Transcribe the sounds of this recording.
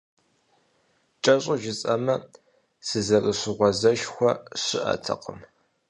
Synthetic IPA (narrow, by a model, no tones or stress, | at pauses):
t͡ʃʼɐɕʼʊʒɪt͡sʼɐmɐ | sɨzɐrɨɕɪʁʷɔzɐʃxʷɔɕɪʔɐ̰tʰɐ̰qəm